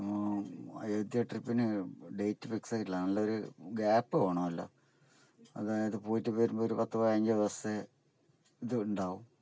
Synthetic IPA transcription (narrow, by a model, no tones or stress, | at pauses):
ɐ̰jed̪jɐʈripːinɨɖe̞jtːɨfiksɐkːilaːnɐlːɐoɾuɡaːpːɨoːɳɐmɐlːo̰ | ɐ̰ðaiðɨpoːtːɨpeːɾumboːɾupɐt̪ːɐɐaɲd͡ʑɐɐʋɐse | iðɨːɳɖaːʋum